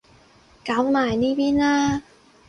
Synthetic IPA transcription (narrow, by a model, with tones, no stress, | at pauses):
kaː˨˦˥wnaː˨˩jniː˦˥˩piː˥˨naː˥˩